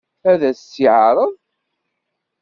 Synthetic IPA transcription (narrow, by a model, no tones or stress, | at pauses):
æðæsiʕɾˤəðˤ